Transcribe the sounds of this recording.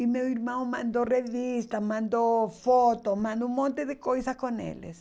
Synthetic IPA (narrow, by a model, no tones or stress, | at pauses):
imewiɾmɐ̃w̃mãnd̪orevist̪ɐmãnd̪ofot̪omãnd̪õũmõnt̪ɪðɪkojsɐkõnḛlɪ̰s